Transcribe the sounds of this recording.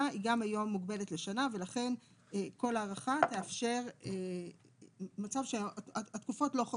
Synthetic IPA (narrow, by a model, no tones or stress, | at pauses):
aiɡamajo̞mːuɡbe̞letle̞ʃanave̞laχe̞n | ko̞laːʁaχat̪e̞afʃe̞ʁe | mat͡savʃeaat̪kufo̞tlo̞χa